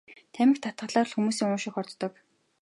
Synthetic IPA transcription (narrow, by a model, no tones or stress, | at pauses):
t̪ʰæmʲɪ̆kt̪ʰat̪̚ɢə̆ɮaːr̆ɮxumuːsiːŋʊʃɪ̆xɔrt̪t̪ːɞ̆k